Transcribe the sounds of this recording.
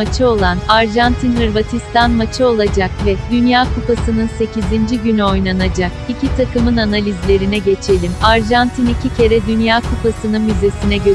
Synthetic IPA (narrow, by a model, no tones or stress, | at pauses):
at͡ʃʰɯo̞lˠanaɾʒant̪ʰinɯɾvat̪ʰist̪anmat͡ʃʰɯo̞lˠad͡ʒakvɛd̪ynjaːkʰupasɯnɯnse̞cizind͡ʒiɟynyo̞jlˠanad͡ʒakicʰit̪ʰakɯmɯnanalʲizlʲe̞ɾinɛɟe̞t͡ʃʰe̞lʲimaɾʒant̪ʰinicʰicʰe̞ɾɛd̪ynjaːkʰupasɯnɯnmyze̞sinɛɟø